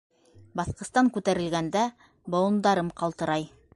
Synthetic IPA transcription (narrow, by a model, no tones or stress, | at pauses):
bɑθqɤ̆st̪ɑŋkʉt̪æɾɘ̆lɡænd̪æ | bŏw̪ˠɤ̆nd̪ɑɾɤmqɑlˠt̪ɤ̆ɾɑj